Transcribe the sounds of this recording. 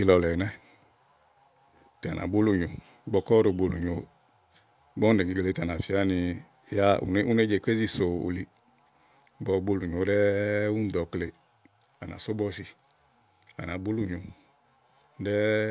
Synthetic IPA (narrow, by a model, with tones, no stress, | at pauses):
i˧lɔ˧lɛ˨nɛ˦ | ta˨nʔa̰˨bo˦lu˨ɲo˨˦ | ɡ͡bɔ˧˨kɔ˦ɾo˧˨ɡ͡bo˧lu˨ɲo˨˦ | ɡ͡bɔ˦n˦e˨ɡi˨ɡle˨˧ta˨na˨fi˨˦a˦ni˧ | ja˦ṵ˨ne˦u˦ne˦d͡ʒe˨kʷe˦zi˧so˨o̰˨li˨ | ɡ͡bɔ˧˨˧ɡ͡bo˧lu˨ɲo˨˦dɛ˦u˦n˨dɔ˨˦kle˨ | a̰˨na̰˨so˦bɔ˧si˧ | a̰˨na˨bo˦lu˦˨ɲo˨ | dɛ˦